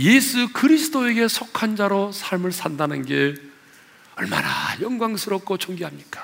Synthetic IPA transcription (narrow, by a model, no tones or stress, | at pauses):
je̞sʰukɯɾisʰɯ̥doe̞ɡe̞sʰokʰand͡ʑaɾosʰaɭmɯɭsʰandanɯnɡe | ʌ̰ɭma̰na̰jʌŋɡwaŋsʰɯɾʌp̚k͈ot͡ɕʰoŋɡiɦamɲik͈ḁ